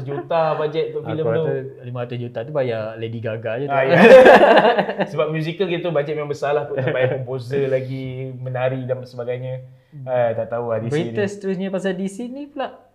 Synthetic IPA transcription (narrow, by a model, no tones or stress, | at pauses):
d͡ʒut̪abad͡ʒɛt̪̚t̪aʔfiləaulimaɾat̪usd͡ʒut̪at̪ubajalediɡaɡad͡ʒuaja | səbap̚mjuzikəlkit̪at̪ubat͡ʃaʔ̚memãmbəsalahp̪uabajaəmposəlaɡimənaɾidansəbaɡajɲa | ədaʔt̪auadibsɾiit̪əst̪əɾus̬ɲapas̬adisinĩplaʔ